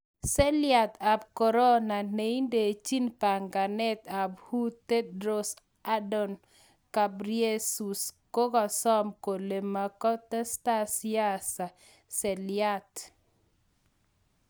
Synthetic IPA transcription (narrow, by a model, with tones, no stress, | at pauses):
sɛ˦lja˨t̪a˨b̚kɔ˨ɾɔ˦na˨ne˨i˦nde˨t͡ʃi˦npa˨ŋɡa˨nɛ˦t̪a˨bhu˦t̪e˦dɾo˦s | a˦dɔ˨n | ka˨bɾje˦su˨sko˦ɡɔ˨sɔ˦mko˨le˨ma˨kɔ˦t̪ɛ˦sta˦sɪja˦sa˨ | sɛ˨lɪa˦t̪